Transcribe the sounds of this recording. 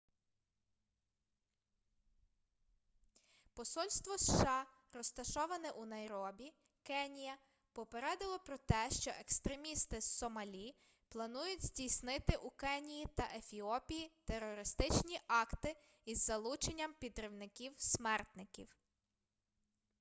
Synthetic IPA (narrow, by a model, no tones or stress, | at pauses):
pɔsɔlʲst̪ʋɔsʃɑ | ɾɔst̪ɐʃɔʋɐnɛʔunɐjɾɔbʲi | kɛnʲijɐ | pɔpeɾɛd̪ɪlˠɔpɾɔt̪ɛʃt͡ʃɔʔekst̪ɾemʲist̪ɪsɔmɐlʲi | plˠɐnujʊdʲzʲdʲijsnɪt̪ɪʔukɛnʲijit̪ɐʔefʲiɔpʲijit̪erːɔɾɪst̪ɪt͡ʃnʲiʔɑkt̪ɪ | izːɐlˠut͡ʃenʲːɐmpʲid̪ɾɪwnɪkʲiwsmɛrt̪nɪkʲḭw